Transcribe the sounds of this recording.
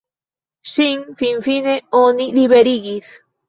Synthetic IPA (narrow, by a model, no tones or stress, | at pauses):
ʃiŋfiɱfineoniliβeɾiɣis